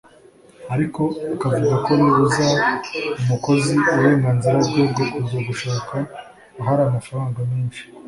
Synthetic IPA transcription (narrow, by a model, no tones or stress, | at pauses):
aɾiko̞ukavuɡako̞niuzaumuko̞ziuaɾe̞ːŋɡaːnziɾabɡebɡouzoɡuʃaːkʰaː | ɦaɾaːmafaɾaːŋɡamiːnʃi̥